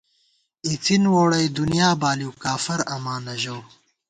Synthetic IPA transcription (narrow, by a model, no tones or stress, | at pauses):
it͡sʰinwoːɽɐjd̪unijaːbaːliwkaːfɐɾɐmaːnɐʑoː